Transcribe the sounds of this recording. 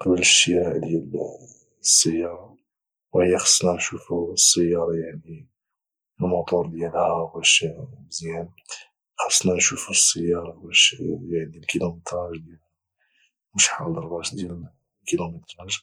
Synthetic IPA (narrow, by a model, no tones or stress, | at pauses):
qɑbəlʃiʕd̪jæl | sːəjːɑɾˤɑ | whəjːaxɑ̥sˤnɑnʃufusːəjːɑɾˤɑjaʕni | əlmʊt̪ˤuɾd̪jælhæbæʃbzjæn | xɑ̥sˤːnɑnʃufusːəjːɑɾˤɑbæʃjaʕnilkilumət̪ɾˤɑʒd̪jæl | mʊʃħɑld̪əɾbɑʃd̪jæl | kilumət̪ɾˤɑʒ